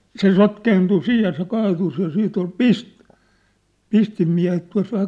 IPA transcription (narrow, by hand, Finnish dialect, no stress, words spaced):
se sotkeːntu siːj jɑ se kɑːtus jɑ siːt ol pis pistimːiæ̝het tuɑ̝s ʋæhæ